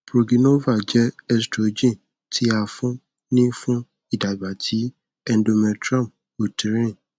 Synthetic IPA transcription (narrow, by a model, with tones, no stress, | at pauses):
b̥ɾo˨ɡi˨no˦va˦˨d͡ʒɛ˦ɛ˧stɾo˨d͡ʒĩ˦˨ | tʰi˦a˧fũ˦ | nĩ˦fũ˦ | i˦˨da˨ba˨tʰi˨˦ | ɛ˦n˦do˧mɛ˧tɾã˦˨m | o˨ti˨ɾĩ˦